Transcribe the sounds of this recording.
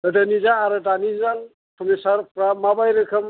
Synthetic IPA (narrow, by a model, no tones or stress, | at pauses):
ɯdanizaːɾɯdanizal | kʰɔmisaɾpɾamabajɾɯkʰɐm